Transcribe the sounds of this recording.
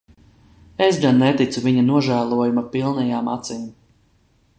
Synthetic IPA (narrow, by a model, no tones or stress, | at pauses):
esɡanːet̪it̪suviɲanuɔʒæːlˠuɔjumapilˠnɛjaːmat̪sim